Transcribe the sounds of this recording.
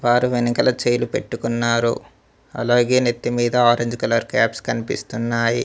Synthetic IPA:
ʋaːɾuʋenikɐlɐt͡ʃejlupe̞̰ʈːukunːaːɾṵ | ɐ̰loːɡeːnet̪ːimiːd̪ɐaːɾeɲd͡ʒkɐlɐɾkaːpskɐnipḭst̪unːaːji

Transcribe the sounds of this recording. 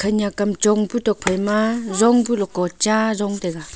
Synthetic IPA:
kʰaɲakamt͡ʃɔŋbutɔk̚pʰajmazɔŋbulɔkɔt͡ʃazɔŋdeɡa

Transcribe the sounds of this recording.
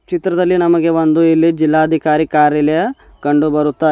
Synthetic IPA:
t͡ʃit̪ɾɐd̪ɐlːinɐmɐɡe̞ʋond̪uilːid͡ʒilːaːɐd̪ʱikaːɾikaːɾjɐlɛjɐ | kɐɳɖubɐɾut̪ːaː

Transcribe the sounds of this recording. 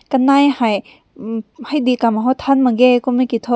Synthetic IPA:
kɐnajhaj | hajdikamaɦɔtʰanmɐɡekumikitʰɔ

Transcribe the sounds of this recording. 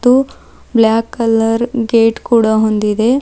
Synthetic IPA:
t̪u | blaːkːɐlɐɾɡeːʈkuːɽɐɦond̪id̪e̞

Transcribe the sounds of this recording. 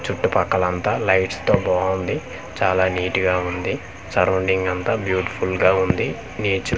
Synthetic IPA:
t͡ʃuʈːupɐkːɐlɐnt̪aːlɐjʈst̪o̞ːbaːund̪i | t͡ʃaːlaːniːʈiɡaːund̪i | sɐɾoɳɖiŋɡɐnt̪aːbjuːʈi̥pʰulɡaːund̪i | niːt͡ʃu

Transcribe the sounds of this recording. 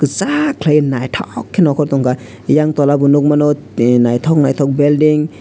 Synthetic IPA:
kɯsakʰlajnajt̪ʰɔkʰːinɔkʰɔɾt̪ɔŋka | jaŋt̪ɔlabunuk̚manut̪̚najt̪ʰɔk̚najt̪ʰɔk̚beldiŋ

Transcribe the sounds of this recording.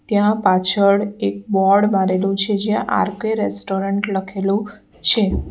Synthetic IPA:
t̪jãpat͡ʃʰəɽek̚bɔɾɽmaɾelũt͡ʃʰed͡ʒjãʔa̰ɾkeɾesʈoɾəɳʈləkʰelũ | t͡ʃʰe

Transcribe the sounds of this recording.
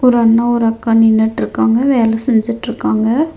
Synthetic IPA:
ɔɾɯɐnːaɔɾɯɐkːaːnɪnːɐʈːɪɾɯkːaːŋɡɐʋeːlɛsɛɲd͡ʒɪʈːɪɾɯkːaːŋɡɐ

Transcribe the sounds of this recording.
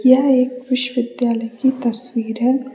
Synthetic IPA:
jɐɦeːkʋɪʃʋɪd̪jaːləjkit̪ɐswiːɾɦɛ

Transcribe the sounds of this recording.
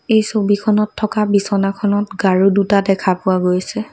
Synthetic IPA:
ejsobikʰɔnɔtʰːɔkabisɔnakʰɔnɔtɡaɹudutadɛkʰapʊwaɡojsɛ

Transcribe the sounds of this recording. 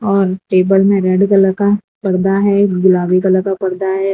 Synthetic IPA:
ɔːɾʈeːbəlmẽɾɛɖkɐləka | pɐɾd̪aɦɛɡʊlaːʋikələkapɐɽd̪aɦɛ

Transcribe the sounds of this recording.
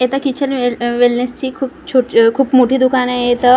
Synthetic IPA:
et̪əkit͡ɕʰəlʋilnest͡ɕiːkʰuːpt͡ɕʰoʈkʰuːpmoʈʰiːd̪ukʰaneet̪ə

